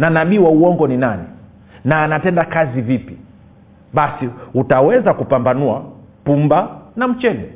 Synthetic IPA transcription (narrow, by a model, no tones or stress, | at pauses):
nanaɓiwauɔŋɡɔninani | naːnatɛndakazivipi | ɓasiutawɛzakupambanuapumbanam̩t͡ʃɛlɛ